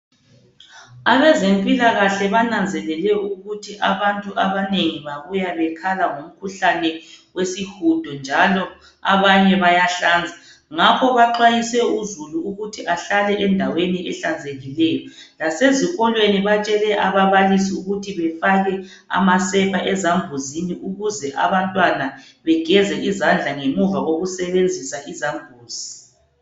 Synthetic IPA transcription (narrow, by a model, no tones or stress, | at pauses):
aβɛzempʼilaɣaɬɛβanand͡zʱɛlɛlɛuɣutʰiʔaβantʼuʔaβaneŋiβaβujaβɛkʰalaŋom̩kʰuɬanɛwesixud̥ʱɔnd͡ʒʱalɔ | a̰βaɲɛβajaɬaːnd͡zʱa | ŋapʰɔβaǃajisɛuzuluːɣutʰiʔaɬalɛʔɛndʱaweniʔɛɬand͡zʱeɣilɛːjɔlaseziɣɔlweniβat͡ʃʼɛlɛʔaβaβalisiuɣutʰiβɛfaɣɛ | a̰masɛpʰaʔɛzambʱuziniʔuɣuzɛʔa̰βantʼwana | βɛɡ̥ʱɛzɛʔizand͡ɮʱaŋemuvaɣoɣusɛβend͡zʱisaʔizambʱuːz̥i